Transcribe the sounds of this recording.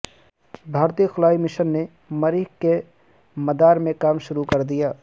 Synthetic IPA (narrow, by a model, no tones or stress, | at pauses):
bʱaːɾt̪iːxʊlaːimɪʃənːe | mɐɾɪkke | mɐd̪aːɾmẽkaːmʃʊɾukɐɾd̪ijaː